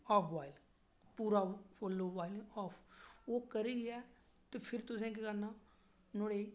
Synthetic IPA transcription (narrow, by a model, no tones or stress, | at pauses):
ɔːpʰʋaːɪl | puːɾaːfɔːloːʋaːɪlːɔːpʰoːkəɾiːɡɛː | t̪epʰɪɾt̪ʊsẽːkɪkənãː | noːɽeː